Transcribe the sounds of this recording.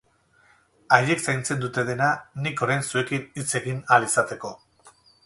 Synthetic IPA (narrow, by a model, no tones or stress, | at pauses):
aje̞ksajnt͡se̞nd̪ut̪e̞ð̞e̞naniko̞ɾajnsue̞kinit͡se̞ɣinalisat̪e̞ko̞